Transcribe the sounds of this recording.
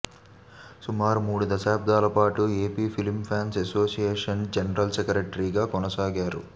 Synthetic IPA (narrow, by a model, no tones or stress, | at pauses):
sumaːɾumuːɽud̪ɐʃaːb̚d̪aːlɐpaːʈueːpiːpʰilmpʰaːnseso̞ːsijeːʂɐnd͡ʒɐnɐɾɐlt͡ʃɐkɐɾeʈːɾiːɡaːkɔnɐsaːɡaːɾṵ